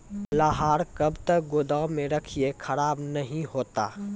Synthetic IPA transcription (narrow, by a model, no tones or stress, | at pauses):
laɦaːɾkəbt̪ək̚ɡod̪aːʊmẽɾəkʰiekʰəɾaːbnəɦĩɦoːt̪a̰ː